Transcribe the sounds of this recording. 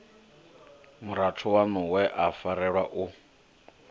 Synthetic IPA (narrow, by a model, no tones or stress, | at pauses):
muɾatʰɔwanɔwɛʔafaɾɛɺwaʔu